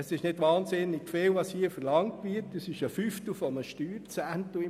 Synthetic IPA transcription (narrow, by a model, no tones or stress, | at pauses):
əsɪʃnɪdʋɑːnsɪnɪɡfɪːlʋɑshiːəfəɾlɑŋtʋɪɾtəsɪʃəfyft̪l̩ˠfɔnəʃtyːɾt͡sæntuɪ